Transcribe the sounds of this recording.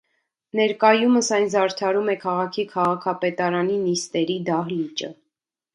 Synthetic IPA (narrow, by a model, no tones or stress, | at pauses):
nɛɾkɑjuməsɑjnzɑɾt̪ʰɑɾumɛkʰɑʁɑkʰikʰɑʁɑkʰɑpɛt̪ɑɾɑninist̪ɛɾid̪ɑɦlit͡ʃə̰